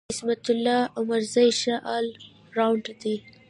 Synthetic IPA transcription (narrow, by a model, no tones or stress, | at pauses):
ɪsmat̪ʊlːɑʊmaɾzajʃaʔɑl | ɾawɳɖd̪i